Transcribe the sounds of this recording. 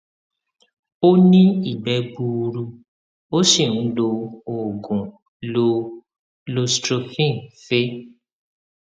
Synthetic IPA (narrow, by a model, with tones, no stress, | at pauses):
o˦nĩ˦i˦˨bɛ˧˦bu˧ɾu˧ | o˦ʃi˦˨ñ̩˦lo˧o˨ɡũ˨ | lo˧ | lo˧stɾo˧fĩ˦˨fe˦